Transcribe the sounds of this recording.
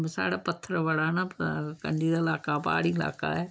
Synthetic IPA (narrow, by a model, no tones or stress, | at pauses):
sa̰ːɽapət̪ʰːəɾəʋəɽaːnakə̰ɳɖiːd̪aːɪlaːkapa̰ːɽĩɪla̰ːka̰ɛː